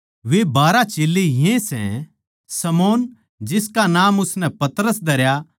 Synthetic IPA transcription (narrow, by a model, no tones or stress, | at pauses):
ʋebaːɾat͡ʃeːlːejẽsɛ̰̃ | sɐmoːn | d͡ʒɪskanaːmʊsnɛ̃pɐt̪ɾəsd̪ɐɾja